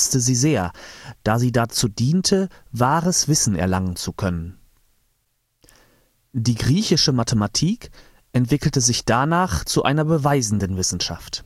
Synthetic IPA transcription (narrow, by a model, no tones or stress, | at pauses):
stəziːzeːɐd̥aːziːdat͡suːdiːntʰəvaːʁəsv̥ɪsn̩ɛ̰ɐlaŋənt͡sukʰœnən | diːɡʁiːçɪʃəmatʰəmatʰiːk | ʔɛntv̥ɪkl̩təzɪçd̥anaːχt͡suʔa̰ɪnɐbəvaɪzn̩dənvɪsn̩ʃa̰ft